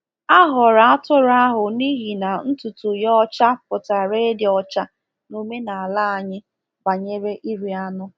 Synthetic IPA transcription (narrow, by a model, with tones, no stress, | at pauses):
a˦ɦʊ˨ɾa˨a˦tʊ˦ɾa˦ɦʊ˨ni˦ɦi˨na˨n̩˦tu˨tʊ˨jɔ˦t͡ʃa˦pʊ˨ta˨ɾe˦di˨ɔ˦t͡ʃa˦ | no˦me˦na˨a˨la˦a˨ɲɪ˦ | ba˨ɲe˦ɾe˦ʔi˦ɾi˨a˦nʊ˦